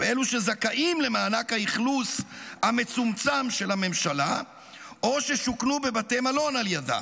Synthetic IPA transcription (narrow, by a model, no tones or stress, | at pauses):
eeluʃe̞zakaʔimle̞maːnakhaiχlushame̞t͡sumt͡samʃe̞lame̞mʃala | o̞ʃeʃuknube̞bate̞malo̞naljada̰